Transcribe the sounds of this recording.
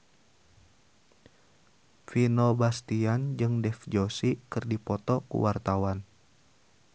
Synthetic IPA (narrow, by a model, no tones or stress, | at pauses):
finɔbast̪iand͡ʒɨŋdɛfd͡ʒosikɨrdipɔt̪ɔkṵwart̪awan